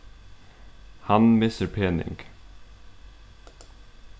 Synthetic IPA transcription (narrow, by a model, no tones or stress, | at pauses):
hɑnmɪsəɾpʰeːnɪ̰ŋɡ